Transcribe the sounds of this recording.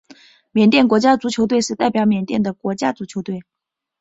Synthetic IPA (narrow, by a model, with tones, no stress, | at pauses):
mjɛ˨˩nt̪jɛ˥˩nkwɔ˧˥t͡ɕja˥t͡su˧˥t͡ɕʰjo˧˥ʊt̪̬we˥˧ɪʂɻ̩˥˧t̪a˥˩ɪpjɑ˧˥ʊmjɛ˨˩nt̪jɛ˥˩nd̪ə˩kwɔ˧˥t͡ɕja˥t͡su˧˥t͡ɕʰjo˧˥ʊt̪we˥˩ɪ